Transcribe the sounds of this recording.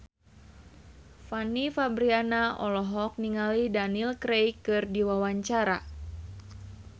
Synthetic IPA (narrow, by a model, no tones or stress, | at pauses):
fanifabɾianaʔɔlɔɦɔk̚niŋalidanilkɾejkɨrdiwawaɲt͡ʃaɾa̰